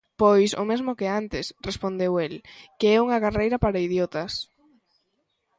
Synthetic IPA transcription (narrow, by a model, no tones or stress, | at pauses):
pojsʊ̰mezmʊkɪant̪ɪsrespond̪ewelkeɛuŋɐɣarejɾɐpaɾaiðjot̪ɐs